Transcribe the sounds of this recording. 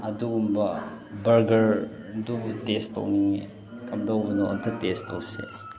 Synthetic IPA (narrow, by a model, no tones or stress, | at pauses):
ɐduɡumbɐ | bɐɾɡɐɾ | dubutesto̰wniŋḭ | kɐmdɐwbɐnuʔɐ̰mtʰɐk̚testowsḛ